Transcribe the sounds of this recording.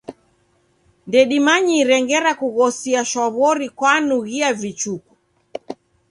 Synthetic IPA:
ndɛɗimaɲiɾɛŋɡɛɾakuɣɔsiaʃɔβɔɾikwanuɣiavit͡ʃuku

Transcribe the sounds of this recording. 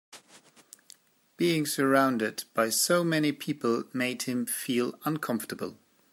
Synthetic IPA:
b̥iɪ̃ŋsə˞ãʊ̃ndɪdb̥aɪsoʊmɛnipʰipəlˠmeɪd̚hɨ̃ɱfilˠʌ̃nkʰʌ̃ɱftəbə̰lˠ

